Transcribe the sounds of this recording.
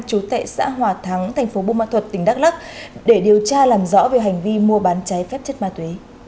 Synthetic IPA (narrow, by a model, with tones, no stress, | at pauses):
t͡ɕu˨˦t̪a̰ː˧˨jsa̰ː˧˥ɦwaː˨˩t̪ʰa˨˦ŋt̪ʰɛ˨˩jŋ̟fo˨˦ɓu˧maː˧˥t̪ʰə˨˩t̚t̪ï˧˩ŋ̟ɗa˦˥k̚la˦˥k̚ɗe˧˩ɗi˨˩əwt͡ɕaː˧laː˨˩mzɔ̰˧˥ve˨˩ɦa˨˩jŋ̟vi˧mu˧əɓaː˨˦nt͡ɕa˨˦jfɛ˦˥p̚t͡ɕə˦˥t̚maː˧˩t̪we˨˦